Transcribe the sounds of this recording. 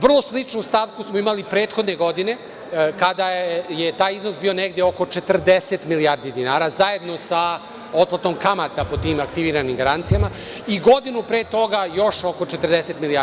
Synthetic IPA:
ʋr̩lˠo̞slit͡ʂnust̪aʋkusmoimalipɾeːt̪xo̞d̪neɡo̞d̪ine̞ | kad̪ajet̪aːjiznosbiːo̞ne̞ɡd̪eoko̞t͡ʃet̪rd̪eset̪miliaːɾd̪id̪inaːɾaːzaje̞d̪no̞sa | o̞t̪̚plˠat̪o̞mkamat̪apo̞t̪iːmakt̪iʋiːɾanimɡaɾant̪sijama | iɡo̞d̪inupɾeːt̪o̞ɡajo̞ʃo̞ko̞t͡ʃet̪rd̪ese̞t̪milia

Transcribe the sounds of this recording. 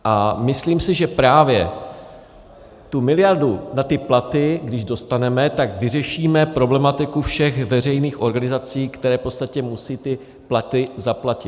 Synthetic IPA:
ʔamɪsliːmsɪʒɛpɾaːvjɛ | t̪umɪlɪjaɾdunat̪ɪplat̪ɪɡdɪʒdo̞st̪anɛmɛt̪aɡvɪrɛʃiːmɛpɾo̞blɛmat̪ɪkufʃɛxvɛr̝ɛjniːxʔoɾɡanɪzat͡siːkt̪ɛɾɛːfpo̞t̪st̪acɛmusiːt̪ɪ | plat̪ɪzaplacɪt̪

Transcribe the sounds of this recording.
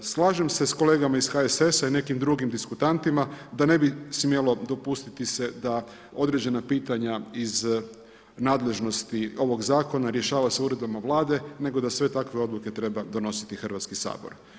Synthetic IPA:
slˠaːʒe̞mse̞sko̞leːɡamaiz̥xaese̞saine̞kimd̪ɾuɡimd̪iskut̪ant̪imad̪ane̞bismje̞lo̞d̪o̞pust̪it̪ise̞d̪a | o̞d̪ɾe̞d͡ʑe̞napiːt̪aɲaiz | naːd̪le̞ʒno̞st̪io̞ʋo̞ɡzaːko̞naɾjeʃaːʋaseuɾe̞d̪bamaʋlˠaːd̪e̞ne̞ɡo̞d̪asʋe̞t̪akʋeo̞d̪lˠuke̞t̪ɾe̞bad̪o̞no̞si̥t̪ixr̩ʋat̪skisa̰ːbo̞̰ɾ

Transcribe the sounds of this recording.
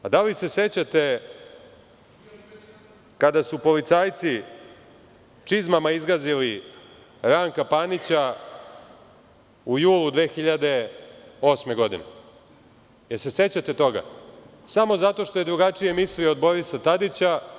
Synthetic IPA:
ad̪alise̞se̞t͡ɕat̪e̞ | kad̪asupo̞lit̪saːjt̪si | t͡ʂizmamaizɡazili | ɾaŋkapanit͡ɕa | ujuːlˠud̪ʋeːxiʎad̪e̞o̞sme̞ɡo̞d̪ḭne | jeɾse̞se̞t͡ɕat̪et̪o̞ɡa̰ | samo̞zat̪o̞ʃt̪o̞je̞d̪ɾuɡat͡ʂije̞mislieod̪bo̞ɾisat̪ad̪it͡ɕa

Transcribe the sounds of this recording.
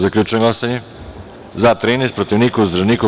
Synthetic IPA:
zaklʲut͡ʃɛnɡlasanɛ | zat̪ɾenespɾot̪iʋnikuzd̪ɾaniko

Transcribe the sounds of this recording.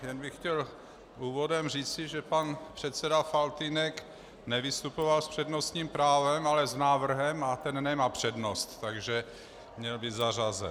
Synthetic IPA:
jɛnbɪxcɛl | ʔuːvo̞dɛmr̝iːt͡sɪʒɛpanpr̥ɛt̪t͡sɛdafalt̪inɛk | nɛvɪst̪upovalspr̝̥ɛdno̞st̪ɲiːmpɾaːvɛmalɛznaːvr̩ɦɛmat̪ɛnnɛmapr̝̥ɛdno̞st̪ːaɡʒɛ | mɲɛlbit̪zarazɛ̰

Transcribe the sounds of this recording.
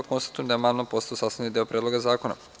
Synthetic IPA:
konst̪ḁt̪ujemd̪aemaːlnapost̪aosaːst̪anid̪eopɾʲʔed̪lo̞ɡazaːko̞na̰

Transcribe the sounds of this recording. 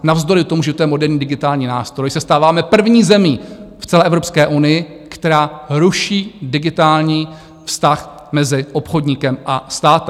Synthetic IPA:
navzd̪o̞ɾɪt̪omuʒɛt̪jɛmodɛɾɲiːdɪɡɪt̪aːlɲiːnaːst̪ɾojsɛst̪aːvaːmɛpr̩vɲiːzɛmift͡sɛlɛːʔɛvɾo̞pskɛːʔunɪjɪ | kt̪ɛɾaːɾuʃiːdɪɡɪt̪aːlɲiː | fst̪ax | mɛzɪʔo̞pxo̞dɲɪkɛmʔast̪aːt̪

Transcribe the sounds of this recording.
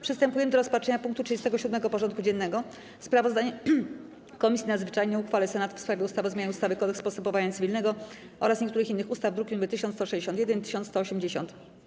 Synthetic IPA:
pʂɨst̪ɛmpujɛmɘd̪ɔɾɔspatʂɛɲapũŋk̚t̪utʂɨd͡ʑɛst̪ɛɡɔɕud̪mɛɡɔpɔʐɔnt̪̚kud͡ʑɛnːɛɡɔ | spɾavɔzd̪aɲɛ | kɔmʲisʲinad̪zvɘt͡ʂajɲɛuxfalɛsɛnat̪fspɾavʲɛust̪avɔzmʲanust̪avɘkɔd̪ɛkspɔst̪ɛmpɔvaɲat̪svʲilnɛɡɔ | ʔɔ̰ɾasɲɛkt̪uɾɘxinːɘxust̪avd̪ɾuɡʲinumɘt̪ɘɕɔnst̪ɔʂɛd͡ʑeɕ̬ɔnt̪jɛd̪ɛnt̪ɘɕ̬ɔnt̪st̪ɔɔɕɛmd͡ʑeɕɔ̰nt̪

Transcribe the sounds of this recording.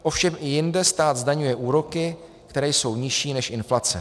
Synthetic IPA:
ʔo̞fʃɛmɪjɪndɛst̪aːd̪zdaɲujɛʔuːɾo̞kɪ | kt̪ɛɾɛːjso̞wɲɪʃiːnɛʃʔɪnflat͡sɛ

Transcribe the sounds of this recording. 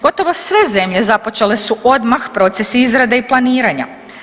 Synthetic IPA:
ɡ̥o̞t̪o̞ʋo̞sʋe̞ze̞mʎe̞zapo̞t͡ʃele̞suʔo̞d̪maxpɾo̞t̪se̞siizɾad̪eiplˠaniːɾaɲa̰

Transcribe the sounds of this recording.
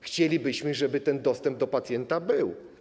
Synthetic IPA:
xt͡ɕelʲibɘɕmɘʐɛbɘt̪ɛnd̪ɔst̪ɛmb̚d̪ɔpat̪sʲjɛnt̪abɘw

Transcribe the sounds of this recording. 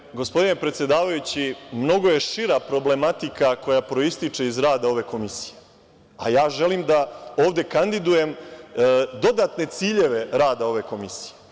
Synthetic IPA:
ɡo̞spo̞d̪ine̞pɾet̪sje̞d̪aːʋajut͡ɕimno̞ɡo̞je̞ʃiɾapɾo̞ble̞mat̪ikako̞japɾo̞ist̪it͡ʂe̞izɾaːd̪ao̞ʋe̞ko̞misi̥je | a̰jaːʒe̞liːmd̪aoːʋd̪e̞kand̪id̪uje̞m | d̪o̞d̪at̪ne̞t̪siːʎe̞ʋe̞ɾaːd̪ao̞ʋe̞ko̞misi̥je

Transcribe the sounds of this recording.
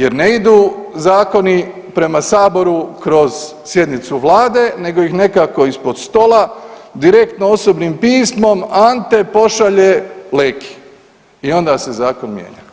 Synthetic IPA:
je̞ɾneid̪uːzaːko̞ni | pɾe̞masaːbo̞ɾukɾo̞z̥ | sje̞d̪nit̪suʋlˠaːd̪e̞ne̞ɡo̞jixne̞kako̞ispo̞d̪st̪o̞lad̪iɾe̞kt̪noo̞sobnimpiːsmo̞mant̪e̞po̞ʃaʎeleːkʰi̥ | io̞nd̪ase̞zaːkonmjḛɲa̰

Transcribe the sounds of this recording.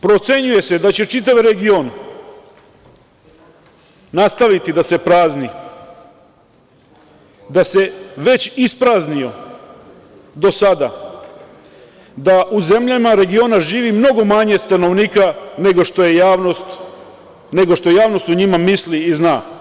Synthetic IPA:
pɾo̞t̪se̞ɲuje̞se̞d̪at͡ɕe̞t͡ʃit̪̬aʋɾeɡio̞n | nast̪aʋit̪id̪ase̞pɾaːzni | d̪ase̞ʋe̞t͡ɕispɾaːznio̞ | d̪o̞sad̪a̰ | d̪aʔuze̞mʎamaɾe̞ɡio̞naʒiːʋimno̞ɡo̞maɲe̞st̪ano̞ʋniːkaneɡoʃt̪oje̞jaːʋnost̪ | ne̞ɡoʃt̪ojaːʋno̞st̪uɲimamisliːznaː

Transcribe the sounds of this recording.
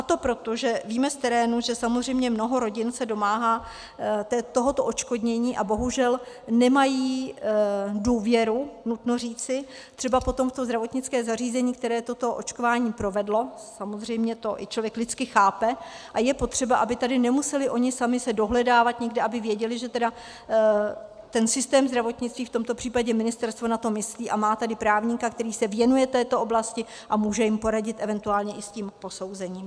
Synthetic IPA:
ʔat̪o̞pɾo̞t̪oʒɛviːmɛft̪ɛɾɛːnuʒɛsamozr̝ɛjmɲɛmno̞ɦo̞ɾo̞ɟɪnsɛdo̞maːɦaː | t̪ɛt̪o̞ɦo̞t̪oʔot͡ʃko̞dɲɛɲiːʔabo̞ɦuʒɛl | nɛmajiː | duːvjɛɾunut̪nor̝iːt͡sɪ | t̪r̝̥ɛbapo̞t̪o̞mft̪ozd̪ɾavo̞t̪ɲɪt͡skɛːzar̝iːzɛɲiːk̚t̪ɛɾɛːt̪o̞t̪o̞ʔo̞̰t͡ʃko̞vaːɲiːpɾo̞vɛdlo̞samozr̝ɛjmɲɛt̪o̞ʔɪ̰t͡ʃlovjɛklɪt͡skɪxaːpɛʔajɛpo̞t̪r̝̥ɛbaʔabɪt̪adɪnɛmusɛlɪʔo̞ɲɪsamɪsɛdo̞ɦlɛdaːvat̪ɲɛɡdɛʔabɪvjɛɟɛlɪʒɛt̪ɛda | t̪ɛnsɪst̪ɛːmzd̪ɾavo̞t̪ɲɪt͡st̪viːft̪o̞mt̪o̞pr̥iːpaɟɛmɪnɪst̪ɛɾst̪vonat̪o̞mɪsliːʔamaːt̪adɪpɾaːvɲikakt̪ɛɾiːsɛvjɛnujɛt̪ɛːt̪oʔo̞blascɪ | ʔamuːʒɛjɪmpo̞ɾaɟɪt̪ʔɛvɛnt̪uaːlɲɛʔɪscimpo̞so̞wzɛɲiːm

